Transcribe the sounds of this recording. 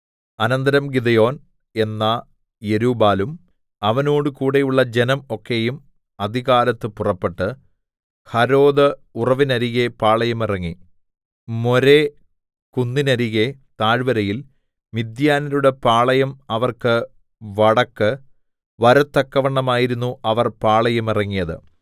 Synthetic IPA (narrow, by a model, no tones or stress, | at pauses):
ɐnɐnd̪ɐɾɐmɡid̪ɐjo̞ːn | e̞nːɐ | je̞ɾuːbaːlum | ɐʋɐno̞ːɽɨkuːɽejuɭːɐd͡ʑe̞nɐmo̞kːejum | ɐd̪ʱiɣaːlɐt̪ːɨpurɐpːe̞ʈːɨ | hɐɾo̞ːd̪ɐurɐʋinɐɾiɣe̞paːɭɐjɐmirɐŋːi | mo̞ɾe | kunːinɐɾiɣe̞t̪aːɻʋɐɾɐjil | mid̪jaːnɐɾuɽe̞paːɭɐjɐmɐʋɐrkɨ | ʋɐɽɐkːɨ | ʋɐɾɐt̪ːɐkːɐʋɐɳːɐmaːjiɾunːuʔɐʋɐrpaːɭɐjɐmirɐŋːijɐðɨ̰